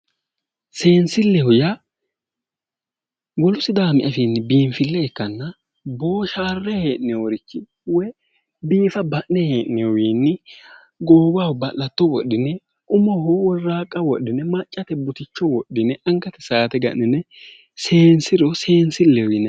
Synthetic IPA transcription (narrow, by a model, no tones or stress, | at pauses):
se̞ːnsɪlːɛhʊjɐ | wɔlʊsɪd̪aːmɪʔɐfiːnːɪbiːmfɪlːɛɛkːɐnːɐ | bo̞ːʃaːrːɛheːʔnɪjoɾɪt͡ʃːɪ | wɛ | biːfɐbɐʔnɛheːʔnɛjɔwiːnːɪ | ɡoːɡaːʊbɐlɐt̪ːɔwɔɗːɪnɛ | ʔʊmɔhʊwɔrːaːkʼɐwɔɗːɪnɛmɐt͡ʃʼːɐt̪ɛbʊt̪ɪt͡ʃːɔwɔɗːɪnɛʔɐŋkːɐt̪ɛsaːt̪ɛɡɐ̰ʔɪnɛ | se̞ːnsɪɾɔse̞ːnsɪlːɛhʊjɪnːɛ